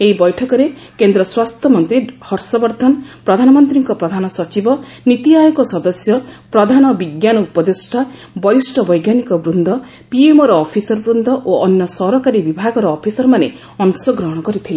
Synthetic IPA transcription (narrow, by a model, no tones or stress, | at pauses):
eɦibɔjʈʰɔkɔɾekend̪ɾɔswast̪ʰjɔmɔnt̪ɾihɔɾsɔbɔɾd̪ʱɔnpɾɔd̪ʱanɔmɔnt̪ɾiŋkɔpɾɔd̪ʱanɔsɔt͡ʃibɔnit̪iajɔkɔsɔd̪ɔsjɔpɾɔd̪ʱanɔbiɡjanɔupɔd̪esʈʰa | bɔjisʈʰɔbɔjɡjanikɔbɾund̪ʱɔ | piemɔɾɔːpʰisɔɾbɾund̪ʱɔʔoɔnjɔsɔɾɔkaɾibibʱaɡɔɾɔːpʰisɔɾɔmane | ɔnsɔɡɾɔɦɔɽ̃ɔkɔɾit̪ʰile